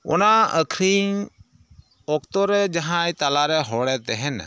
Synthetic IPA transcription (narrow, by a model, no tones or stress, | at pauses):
ʊ̰naəkʰɾiː | oːkt̪oɾɛd͡ʒɐɦãːit̪alaːɾɛɦoːɽɛːt̪eɦɪn